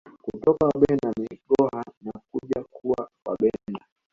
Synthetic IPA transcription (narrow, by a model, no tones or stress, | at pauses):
kutɔkawaɓɛnamiɠɔhanak̚uʄakuwawa̰ɓɛna